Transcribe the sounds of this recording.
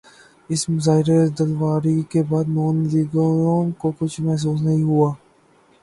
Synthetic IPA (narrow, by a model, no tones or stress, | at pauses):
ɪsmʊzaːɦɪɾed̪ɐlʋaːɾikebaːd̪noːnliɡoonkokʊt͡ʃʰmɛɦs̬uːs̬nɐɦĩɦuaː